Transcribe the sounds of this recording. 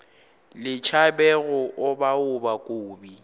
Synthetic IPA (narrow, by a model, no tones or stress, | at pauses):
lɪt͡ʃʰabɛɣʊʔʊbaʊbakʼoːbi